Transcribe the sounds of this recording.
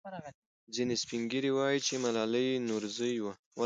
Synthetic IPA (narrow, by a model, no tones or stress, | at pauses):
zinespiŋɡiɾiwɑjit͡ʃemalɑləjnuɾzəjwa | wa